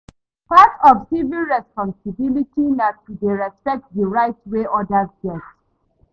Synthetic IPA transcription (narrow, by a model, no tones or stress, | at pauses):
patɔfsivilˠɹɛspɔ̃nsibilitinattudeɹɛspɛk̚t̚dəɹaɪtweʔɔdazdɛt